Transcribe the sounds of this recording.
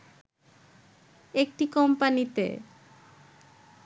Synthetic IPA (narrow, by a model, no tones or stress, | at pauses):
ek̚ʈikɔmpanit̪ḛ